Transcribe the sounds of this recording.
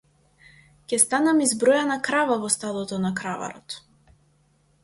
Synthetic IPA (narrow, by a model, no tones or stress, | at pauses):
cʲɛst̪anamizbɾɔjanakɾavavɔst̪ad̪ˠɔt̪ɔnakɾava̰ɾɔ̰t̪